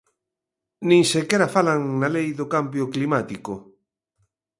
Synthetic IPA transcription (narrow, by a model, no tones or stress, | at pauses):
nĩŋsekeɾafalaŋnalejðokambjoklimat̪iko